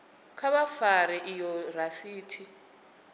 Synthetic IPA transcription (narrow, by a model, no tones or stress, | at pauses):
kʰaβafaɾɛʔijɔrasiːtʰi